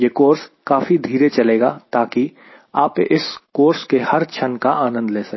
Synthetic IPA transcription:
jeːkoːɾskaːfid̪ʱiːɾet͡ʃɐleːɡat̪aːki | aːpeʔɪskoːɾskehɐɾt͡ʃʰənkaʔaːnə̃nd̪leːsɐ

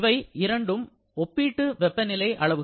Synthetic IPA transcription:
ʋɐɪɪɾɐɳɖɯm | ɔpːiːʈːɯʋɛpːɐnɪlɐɪʔɐɭɐʋɯ

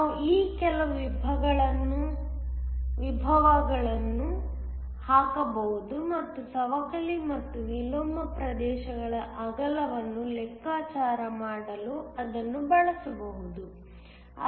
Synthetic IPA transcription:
uiːkɛlɐʋibʱɐɡɐɭɐnːu | ʋibʱɐʋɐɡɐɭɐnːu | haːkɐbɐɦud̪umɐt̪ːusɐʋɐkɐlimɐt̪ːuʋiloːmɐpɾɐd̪ɛːʃɐɡɐɭɐʔɐɡɐlɐʋɐnːulɛkːaːt͡ʃaːɾɐmaːɽɐluɐd̪ɐnːubɐɭɐsɐbɐɦud̪u | ɐ

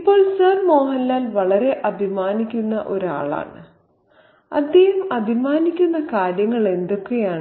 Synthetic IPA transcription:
ipːo̞ːɭsɐrmo̞ːɦɐlːaːlʋɐɭɐɾe̞ʔɐbʱimaːnikʲːunːɐʔo̞ɾa̰ːɭa̰ːɳɨ | ɐ̰d̪jejumɐbʱimaːnikʲːunːɐkaːɾjɐŋːɐɭe̞nd̪o̞kːe̞jaːɳɨ

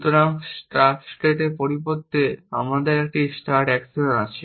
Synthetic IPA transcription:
t̪oɾaŋsʈaɾfsʈeʈeɾpoɾipot̪ːea̰mad̪eɾɛk̚ʈisʈaɾʈɛksionat͡ɕʰe

